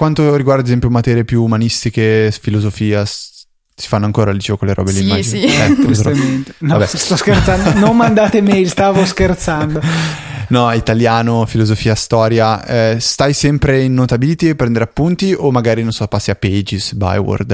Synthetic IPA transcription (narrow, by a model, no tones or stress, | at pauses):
kwant̪oɾiɡward̪ad̪ezɛmpjomat̪ɛːɾjepjuːmanist̪ikefilozofiːas | si̥fanːoaŋkoːɾad̪it͡ʃeːvokolːeɾʔɔ̰ːbelimːaɛsment̪envabɛst̪ɔskeɾt̪sand̪nommand̪aːt̪emejlst̪aːvoskert̪sand̪onɔit̪aljaːnofilozofiːast̪ɔːɾjaɛst̪ajsɛmpɾeinːot̪abilit̪iepːɾɛnd̪eɾeapːunt̪iomːaɡaːɾinonsɔpːasːiapːed͡ʒisba̰jwo̰rd̪